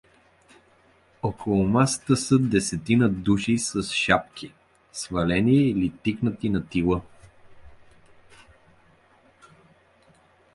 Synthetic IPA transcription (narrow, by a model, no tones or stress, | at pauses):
okʰolˠʊmasə̥t̪əsəd̪ɛsɛt̪inəd̪uʃisɐsʃap̚k̟ʰi | svɐlɛniilit̪iknət̪inɐt̪ilˠə